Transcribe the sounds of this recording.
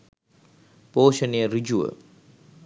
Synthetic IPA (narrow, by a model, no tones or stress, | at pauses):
poːʃəniəɾid͡ʒuə̰